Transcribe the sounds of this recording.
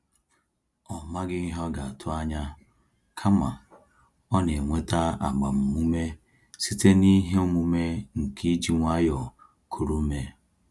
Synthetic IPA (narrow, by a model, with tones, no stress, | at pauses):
ɔ˨ma˦ɡɪ˦i˦ɦɔ˦ɡa˨a˨tʰʊ˦a˦ɲa˦ | kʰa˦ma̰˨ | ɔ˦ne˨ŋʷe˦ta˦a̰˨ɡ͡ba˨m̩˨mu˦me˦ | si˦te˦ni˦ɦe˦mu˦me˦ŋ̩˨kʰi˦d͡ʒi˦ŋʷa˦jɔ˨ | kʰu˨ɾu˦me˦